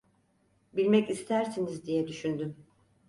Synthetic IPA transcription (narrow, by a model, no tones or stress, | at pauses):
bilʲmɛcist̪ʰæɾsinizd̪ijɛd̪yʃynd̪ym